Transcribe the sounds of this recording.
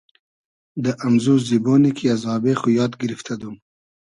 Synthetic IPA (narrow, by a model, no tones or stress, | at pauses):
d̪əʔamzuzibonikʰijazɑbexujɑːd̪ɡɪɾift̪ʰad̪um